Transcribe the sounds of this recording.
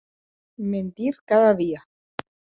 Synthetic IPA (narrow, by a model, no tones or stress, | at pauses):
mẽnt̪iɾkaðaðia